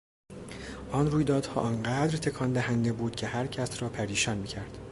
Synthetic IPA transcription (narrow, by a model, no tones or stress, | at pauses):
ʔɒnruːjd̪ɒːd̪̥hɒ̰ːʔɒnɢæːd̪ɾt̪ʰe̞kʰɒːnd̪æhænd̪e̞buːd̪̥̚cʰe̞hæɾcʰæsɾɒːpʰæɾiːʃɒːnmiːcʰæɾd̪̥